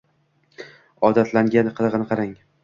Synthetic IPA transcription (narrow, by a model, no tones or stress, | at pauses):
ɒd̪at̪ʰlaŋɡʲanqʰɨlˠʁɨnɪqʰɑɾaŋ